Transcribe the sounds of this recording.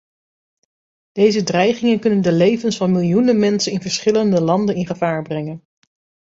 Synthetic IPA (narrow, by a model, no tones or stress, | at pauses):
d̥ejzədrɛjχɪŋənkɵnəndəlejvənsfɑnmɪlˠjunəmɛnsənɪnvəɹsχɪləndəlɑndənɪnχəvaːɹbrɛŋən